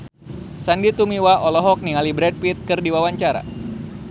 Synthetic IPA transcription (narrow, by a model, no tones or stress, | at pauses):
sandit̪umiwaʔɔlɔɦɔk̚niŋalibɾɛd̚pit̪̚kɨrdiwawaɲt͡ʃaɾa̰